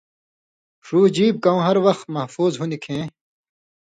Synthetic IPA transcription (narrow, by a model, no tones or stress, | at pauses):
ʂuːd͡ʑiːb̚kɐũːɦɐɾwɐxt̪̚mɐhfuːzɦunikʰẽː